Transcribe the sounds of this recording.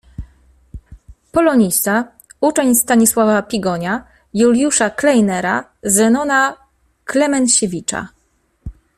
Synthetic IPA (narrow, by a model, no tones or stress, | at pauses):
pɔlɔɲist̪a | ut͡ʂɛɲst̪aɲiswavapʲiɡɔɲa | julʲjuʂaklɛjnɛɾa̰zɛnɔna | klɛmɛnɕevʲit͡ʂa̰